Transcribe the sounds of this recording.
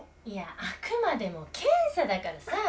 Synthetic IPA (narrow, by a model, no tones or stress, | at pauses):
iaakɯ̟mad̪e̞mo̞kʰẽɰ̃sad̪akaɾasa